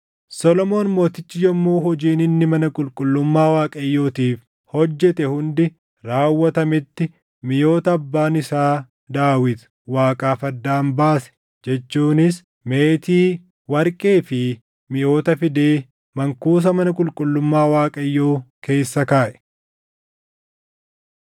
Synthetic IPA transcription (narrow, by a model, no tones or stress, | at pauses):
sɔlɔmo̞ːnmo̞ːt̪ɪt͡ʃːɪjɔmːoːɦɔd͡ʒiːnɪnːɪmɐnɐkʼʊlkʼʊlːʊmːaːwaːkʼɐjːoːt̪iːf | hɔd͡ʒːɛt̪ɛhʊnd̪ɪ | ɾaːwːɐt̪ɐmɪt̪ːɪ | mɪjo̞ːt̪ɐːbːaːnɪsaː | d̪aːwɪt̪ | waːkʼaːfɐd̪ːaːmbaːsɛ̥ | d͡ʒɛt͡ʃːuːnɪs | meːt̪iː | wɐɾkʼeːfɪ | mɪjo̞ːt̪ɐfɪd̪e̞ː | mɐŋkuːs̬ɐmɐnɐkʼʊlkʼʊlːʊmːaːwaːkʼɐjːoːke̞ːsːɐkaːʔɛ̥